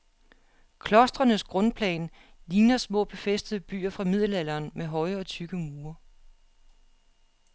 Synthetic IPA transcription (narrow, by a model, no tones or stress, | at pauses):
kʰlɒ̽sd̥ʁɐnəsɡ̥ʁɔ̽npʰlɛ̰ːn | liːnɐsmɔ̰̽ːb̥e̝fesd̥əð̞̩ˠb̥y̰ːɐfʁɑ̈mið̰ˠl̩ælɐːnmeɦɒ̽ɪɒ̽t͡sʰyɡ̥əmuːɐ